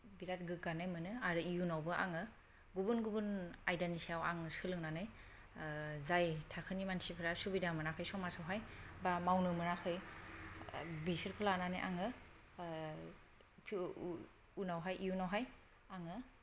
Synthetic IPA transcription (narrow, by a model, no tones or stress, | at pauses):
biɾat̚ɡɯɡanajmɯnɯaɾɯijunawbɯʔa̰ŋɯ | ɡubunɡubunajdanisiawa̰ŋsɯlɯŋnanɯj | zajtʰakʰɯnimansipʰɯɾasubidamɯɾakʰɯjsɔmasawɦajbamawnɯmɯɾakʰɯj | bisɯɾkʰɯlananɯjʔa̰ŋɯ | pʰ | unawɦajʔijunawɦaj | aŋɯ